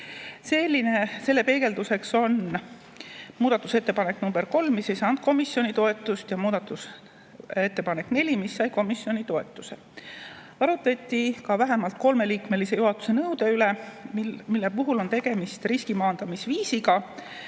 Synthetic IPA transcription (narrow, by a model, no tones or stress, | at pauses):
se̞lːinese̞lːe̞pe̞ːɡ̥e̞ld̪use̞kso̞n | muːd̪̥ɑt̪ːˑuse̞t̪ːe̞pɑnekːnumb̥eɾko̞lmmisejsɑːnd̪̥̚ko̞misːjo̞nʲit̪o̞e̞t̪ːˑust̪jɑmuːd̪ɑt̪ːˑus | et̪ːepɑne̞kne̞lʲimisːɑjko̞misːjo̞nʲit̪o̞e̞t̪ːˑuse̞ | ɑɾut̪ːˑet̪ʲːˑikɑvæɦemɑlt̪̚ko̞lme̞liːkme̞lise̞juɦɑt̪ːˑu̥se̞nɤwd̪e̞yle̞ | milːe̞puɦulo̞nt̪e̞ɡ̥e̞mist̪riskimɑːnd̪̥ɑmisviːsiɡɑ